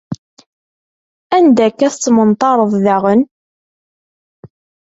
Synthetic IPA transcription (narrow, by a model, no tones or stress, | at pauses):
ænd̪ækːæθət͡sːmənt̪ˤɑɾˤəðˤðaʁən